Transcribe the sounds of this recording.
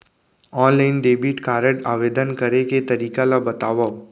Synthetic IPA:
ɔːnlaːɪnɖeːbiːʈkaːɾəʈaːʋeːd̪ənkɐɾeket̪ɐɾiːkalabɐt̪aːʋao

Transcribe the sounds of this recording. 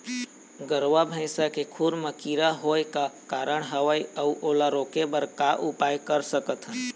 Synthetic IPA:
ɡəɾʋabʱə̃ɪsakekʰuɾməkiːɾaɦoːjkakaːɾəɽ̃ɦəʋaiəuʔoːlaɾoːkebəɾkaʔʊpaːjkəɾsəkət̪ʰɦɛ̃

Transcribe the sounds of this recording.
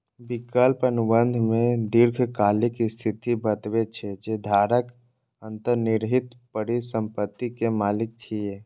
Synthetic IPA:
bɪkəlpənʊbənd̪ʱmẽd̪iɾɡʰʱkaːlɪkst̪ʰit̪ibət̪wet͡ʃʰɛd͡ʒed̪ʱaːɾək | ə̃nt̪əɾnɪɾɦɪt̪pəɽisə̃mpət̪ːikemaːlɪk̚t͡ʃʰie

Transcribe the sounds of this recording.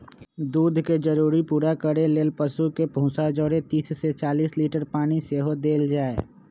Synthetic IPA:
d̪uːd̪ʱked͡ʒəɾuːɾipuːɾakəɾeleːlpəsukepũːsad͡ʒɔːɾẽt̪iːsːet͡ʃaːliːsliːʈəɾpaːñiseɦod̪eːld͡ʒaːe

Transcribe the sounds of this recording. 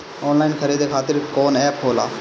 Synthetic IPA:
ɔːnlaːɪnkʰəɾiːd̪ekʰaːt̪ɪɾkoːnɛːpɦoːla̰ː

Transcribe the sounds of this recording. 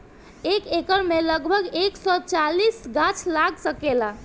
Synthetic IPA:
ekekəɾmeləɡbʱəɡeksɔt͡ʃalisɡat͡ʃʰlakʰsəkela

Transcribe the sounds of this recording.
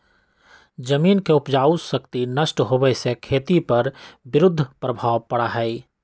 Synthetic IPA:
d͡ʒəmiːnkeʊpd͡ʒaːʊsəkt̪inəsʈɦobəsekʰeːt̪ipɐɾbɪɾʊd̪ʱːəpɾəbʱaːwpəɽaɦɛi

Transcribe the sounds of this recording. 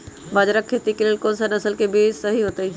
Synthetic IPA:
bad͡ʒɾakʰːeːt̪ikeleːlkonsanɐsəlkebiːd͡ʒsɐɦiɦoːt̪ei

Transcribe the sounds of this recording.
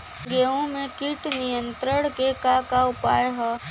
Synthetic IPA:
ɡeːõmẽkiʈnijə̃nt̪ɾəɽ̃kekakaʊpaːjɦɐ

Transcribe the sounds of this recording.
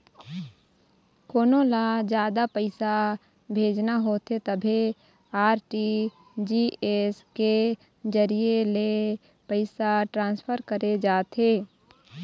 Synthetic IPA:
koːnõlad͡ʒjaːd̪apəɪsa | bʱeːd͡ʒnaɦoːt̪et̪əbʱe | aːɾʈi | d͡ʒiːeske | d͡ʒəɾiele | pəɪsaʈɾãːnspʰəɾkəɾed͡ʒaːt̪eː

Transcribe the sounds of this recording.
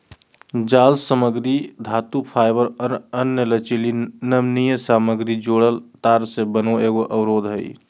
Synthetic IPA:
d͡ʒaːlsəməɡɾid̪ʱat̪upʰaɪbəɾənjələt͡ʃilinəmnijəsaməɡɾid͡ʒoɽəlt̪aɾsebənoeːɡoʔəwɾoːd̪ɦəi

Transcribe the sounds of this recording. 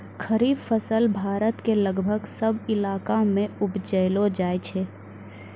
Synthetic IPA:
kʰəɾiːbfʰəsəlbʱaːɾət̪keləɡbʱəɡsəbɪlaːkamẽʊbd͡ʒəɪlod͡ʒaːjt͡ʃʰɛː

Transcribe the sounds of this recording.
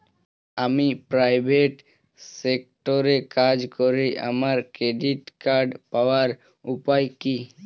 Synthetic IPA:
amipɾajbʱeʈ | sek̚ʈoɾekad͡ʒkoɾiʔa̰maɾkɾeɖiʈkaɾɖpaoaɾ | upajki

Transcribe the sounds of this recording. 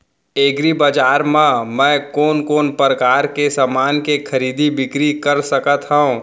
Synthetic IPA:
eːɡɾibaːd͡ʒaːɾmãmɛ̃ːkɔːnkoːnpɾəkaːɾkesaːmaːnkekʰɐɾiːd̪ibɪkɾikɐɾsɐkət̪ɦɛũ

